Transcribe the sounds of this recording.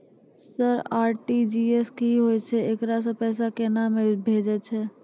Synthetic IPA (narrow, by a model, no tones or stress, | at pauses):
səɾaːɾʈid͡ʒieskeiɦoɛt͡ʃʰɛekɾas̬ɔ̃pɛːs̬akenamebʱeːd͡ʒɛt͡ʃʰɛː